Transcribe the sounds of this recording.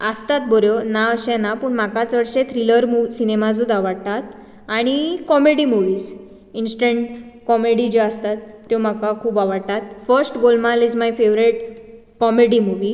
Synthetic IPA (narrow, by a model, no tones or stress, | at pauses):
əst̪at̪̚boɾjonaəɕɛ̃napuːɳmakat͡sʋəɾɕet̪ʰɾiləɾmuʋsinemad͡zud̪aʋəɽt̪at̪ | aɽ̃ikɔmeɽimuʋiːs | insʈəɳʈkɔmeɽid͡ʑiəst̪at̪ːjomakakʰuːbaʋəɽt̪at̪fəɾsʈɡolmalid͡zmajfeʋɾeʈ̚ | kɔmeɽimuʋi